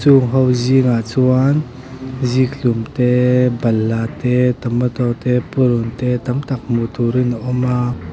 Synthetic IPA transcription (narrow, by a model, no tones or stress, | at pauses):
t͡suŋɦɔwziŋat͡suan | zikʰɬumt̪ɛbɐlːat̪ɛt̪ɐmət̪ɔt̪ɛpuɾunt̪ɛt̪ɐmt̪ɐk̚mut̪uɾinaʔɔma